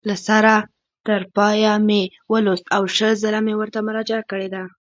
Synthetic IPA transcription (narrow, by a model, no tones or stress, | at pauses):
lasaɾa | t̪əɾpɑjame | wəlost̪awʃəlzəlamewəɾt̪amʊɾɑd͡ʒakəɽed̪a